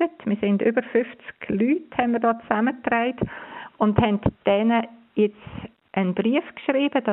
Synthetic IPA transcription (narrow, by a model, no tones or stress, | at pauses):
ətmɪsɪndʏbəɾfʏft͡sɡ̥lyːthɛnmɪɾdɔːt͡samətraɪtʊndhɛntd̥ɛnə | jɛt͡s | ʔənbriəfkʃɾiːb̥əd̥ɑ